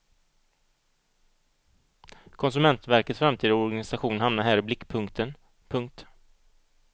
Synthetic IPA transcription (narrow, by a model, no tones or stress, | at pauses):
kʰɔns̬ɵmɛnt̪væɾkət̪sfɾamt̪ʰiːd̪ɔɾɡanɪsaɧuːnhamnaɾɦæːɾɪblɪkːpʰɵŋkt̪ʰən | pʰɵŋk̚t̪